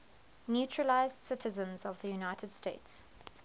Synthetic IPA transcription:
njuˑt͡ʃʰɹəlaɪzd̥sɪtʰəzə̃nzɔvðəjunaɪtʰəd̥steɪts

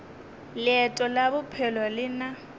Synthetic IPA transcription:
lɪɛtʼɔlabʊpʰɛlɔlɪna

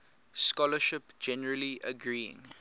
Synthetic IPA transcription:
skɔləʃɪpd͡ʒɛnəɹəliʔə̰ɡɹiːɪ̰̃ŋ

